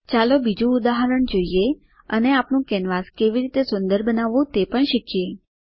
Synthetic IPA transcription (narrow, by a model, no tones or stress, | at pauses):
t͡ʃalobid͡ʒũud̪aɦəɾəɳd͡ʒoije | əneapnũkɛnʋaskeʋiɾit̪esʊnd̪əɾbənaʋũt̪epəɳʃikʰje